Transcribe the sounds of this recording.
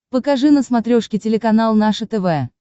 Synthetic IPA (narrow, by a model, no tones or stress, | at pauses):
pəkɐʐɨnəsmɐt̪ɾʲoʂkʲɪtʲɪlʲɪkɐnalˠnaʂət̪ɛvɛ